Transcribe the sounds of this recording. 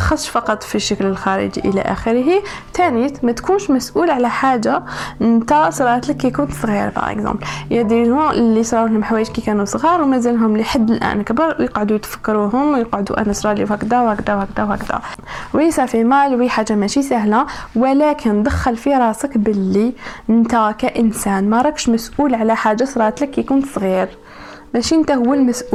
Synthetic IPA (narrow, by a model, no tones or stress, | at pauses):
xɑsˤʃfɑqɑt̪ˤfiʃːəkləlxɑɾə̰d͡ʒḭʔəlæ̰ʔæ̰xəɾɦi | t̪ʰænit̪mæt̪kunʃmæsʔulʕalæħaʒːant̪æsɾˤɑʕət̪ləkːikʊnt̪sˤɣḭɾbɑ̰ɾʔə̰kzɑ̰̃mbljæd̪ilhʊmlːisˤɾˤɑulhʊmħawæjəd͡ʒkikænusˤɣiɾˤwmæzəlɦʊmliħad̪ːəlʔæ̰nkbəɾˤwjəqʕd̪ujt̪fə̥kːɑɾuɦʊmwjəqʕʊd̪ṵʔæ̰næsɾˤɑliwhækd̪æwhækd̪æwhæk̚d̪æwhæ̰kd̪æ̰wisæʕfimælwiħaʒːamæʃisæɦlawəlækʰənd̪æxːəlfiɾˤɑsəkbəlːint̪ækæʔənsænmæɾˤɑkʃmæsʔulʕlæħaʒːasɾˤɑt̪ləkːijkunt̪sˤɣiɾ | mæʃiʔənt̪æhʊwːəlmæsʔu